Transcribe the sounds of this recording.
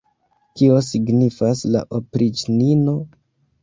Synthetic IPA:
kio̞siɡnifasla̰ʔopɾit͡ʃnino̞

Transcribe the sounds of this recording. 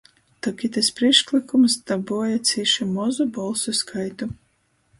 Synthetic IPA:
t̪ɔkʲit̪ɛspɾiɛʃklˠikumst̪abuɔjat̪siʃumɔzubɔlˠsuskʰajt̪u

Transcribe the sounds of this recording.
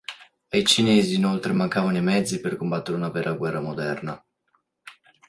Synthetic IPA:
ajt͡ʃineːziːnolt̪ɾemaŋkaːvanoimɛd̪zːiperkombat̪ːeɾeunavɛraɡwɛrːamod̪ɛrna

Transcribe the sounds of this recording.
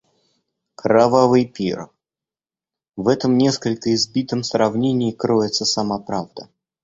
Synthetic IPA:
kɾavavɨjpʲḭr | vɛt̪əmnʲe̞skəlʲkəɪzbʲit̪əmsɾɐvnʲenʲɪjkɾoɪt̪səsɐmapɾavd̪ə

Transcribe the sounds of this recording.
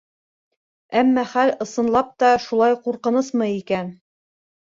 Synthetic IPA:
æmːæχælɤ̆sɤ̆nlˠɑp̚t̪ɑʃulˠɑjquɾqɤ̆nɤsmɤjikæn

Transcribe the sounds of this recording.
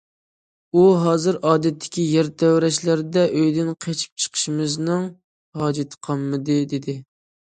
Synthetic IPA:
uɦɑːzɨɾʔɑːd̪ɛt̪ʰːɪ̥kʲijæɾt̪ʰɛwɾɛʃlæɾd̪ɛʔøjd̪ɪnqʰet͡ʃʰi̥p̚t͡ʃʰə̥qʰə̥ʃimɪznɨŋ | hɑːd͡ʒɪt̪ʰɨ̥qʰɑmːɨd̪ɨd̪ɪd̪ɪ

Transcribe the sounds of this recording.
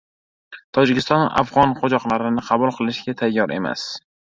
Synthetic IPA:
t̪ʰɒd͡ʒɪkʲɪst̪ɒna̰fʁɒnqʰod͡ʒɒqlˠaɾɪnɪqʰɑbulˠqʰɨlˠɪʃɡʲat̪ʰajːɒɾʔe̞̰ma̰s

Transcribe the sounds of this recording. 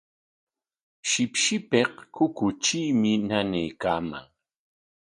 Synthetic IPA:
ʃɪpʃɪpeqkʊkʊt͡ʃijmɪnanejkaːma̰ŋ

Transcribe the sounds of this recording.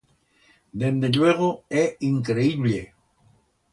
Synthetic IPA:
d̪end̪eʎweɣoeiŋkɾeiβle

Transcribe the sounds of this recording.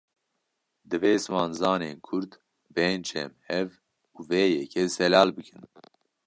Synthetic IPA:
d̪ɨveːsmɑːnzɑːneːnkʰʊɾd̪ | bɛnt͡ʃʰɛ̰mhɛv | uveːjɛkʰɛsɛlɑːlbɨkʰɨn

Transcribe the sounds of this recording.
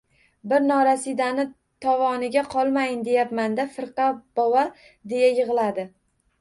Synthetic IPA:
bɪɾnɒɾasɪd̪anɪ | t̪ʰɒvɒnɪɡʲaqʰɒlˠmajɪnd̪e̞japmand̪afɪɾqɑb̥ɒwa | d̪e̞jajɨʁɨlˠad̪ɪ

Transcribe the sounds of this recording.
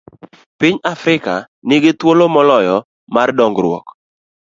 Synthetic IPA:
pɪɲafɾɪka | nɪɡɪt̪wolomɔlɔjɔ | mardɔŋɡɾwɔ̰k

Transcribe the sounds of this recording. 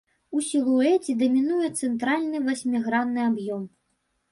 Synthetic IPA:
usʲiluɛt͡sʲid̪ɐmʲinujɛt̪sɛnt̪ɾalʲnɨvasʲmʲiɣɾanːɨabjɔm

